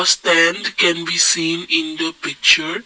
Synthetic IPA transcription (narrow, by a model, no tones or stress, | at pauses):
stɛ̃ndkɛ̃nbisĩnĩndəpik̚t͡ʃəɹ